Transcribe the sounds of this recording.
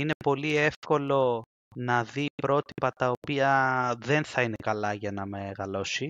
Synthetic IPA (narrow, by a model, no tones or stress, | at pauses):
ine̞po̞lie̞fko̞lo̞ | nɐðipɾo̞t̪ipɐt̪ɐopiɐðe̞nθɐine̞kɐlɐʝɐnɐme̞ɣɐlo̞si